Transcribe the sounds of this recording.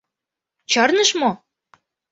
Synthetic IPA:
t͡ɕɑrnəʃmo

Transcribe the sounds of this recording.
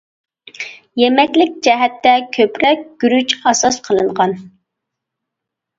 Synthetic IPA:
jɛmɛkʲlɪkʲd͡ʒɛɦɛt̪ːɛkʲʰøpɾɛk̚ʲɡ̥ʲyɾyt͡ʃɑsɑsqʰəlˠɨɴʁɑn

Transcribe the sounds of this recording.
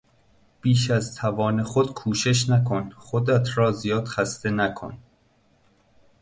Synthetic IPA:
b̥iːʃæzt̪ʰævɒːne̞xod̪̥kʰuːʃe̞ʃ̬nækʰonχod̪æt̪ʰɾɒːzijɒːd̪̥xæst̪e̞nækʰo̰n

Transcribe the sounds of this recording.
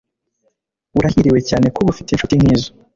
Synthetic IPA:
uɾahiɾiwe̞caːne̞koβufiteinʃutiŋ̥hiːzo

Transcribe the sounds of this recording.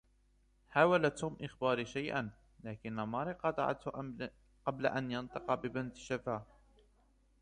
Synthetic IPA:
haːwalat̪hʊmʔɪxbɑːɾiʃajʔa̰n | laːkɪnːamɑːɾiqɑt̪ˤɑ̰ʕa̰t̪h | qɑbla̰ʔanjɑnt̪ˤɨqɑbɪbɪnt̪ʃafaː

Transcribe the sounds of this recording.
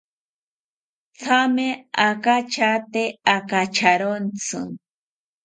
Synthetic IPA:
t͡sʰameakat͡ʃat̪eakat͡ʃaɾont͡sɨ̰ŋ

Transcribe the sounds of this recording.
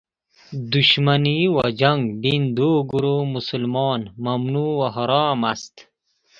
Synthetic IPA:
d̪uʃmaniwad͡ʒaŋɡbind̪oɡuɾomusulmɔːnmɐmnuːwaɦɔɾɑːmast̪

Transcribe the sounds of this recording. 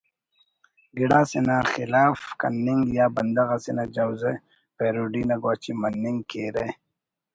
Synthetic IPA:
ɡiɽaːsinaxɪlaːfkanːiŋɡjaːbɐnd̪aɣasinad͡ʒawze | peɾoɖinaɡwaːt͡ʃimanːiŋɡkeɾe

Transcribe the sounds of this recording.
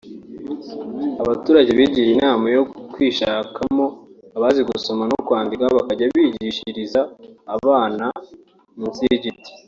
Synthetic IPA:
aβatuːɾaɟeβiɟijinaːmajokwiːʃaːkʰamo̞aβaːziɡuso̞manokwaːndikaβakaɟaβiːɟiʃiɾizaːβaːna | minzijeɟip̚ti̥

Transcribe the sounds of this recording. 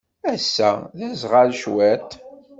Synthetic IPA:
æsːæ̰ðæzʁalʃwæt̪

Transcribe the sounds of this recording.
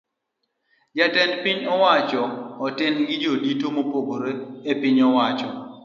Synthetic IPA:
d͡ʒatɛnpiɲɔwat͡ʃɔːtɪnɡɪd͡ʒoditomopoɡoɾeepiɲɔwat͡ʃɔ

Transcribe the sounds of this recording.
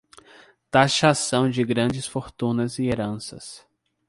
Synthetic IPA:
t̪aʃasɐ̃w̃d͡ʒɪɡɾɐ̃d͡ʒɪsfoɾt̪ũnɐzɪeɾɐ̃sɐ̰s

